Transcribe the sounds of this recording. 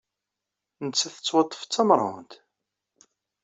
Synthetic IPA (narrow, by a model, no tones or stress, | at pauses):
nət͡sːæθət͡sːwɑt̪ˤːə̥ft͡sːɑmɾˤɑ̰nt̪